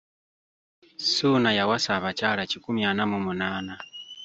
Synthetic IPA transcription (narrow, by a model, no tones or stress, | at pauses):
sunajawasaβat͡ʃaɺat͡ʃikumianamumunaːna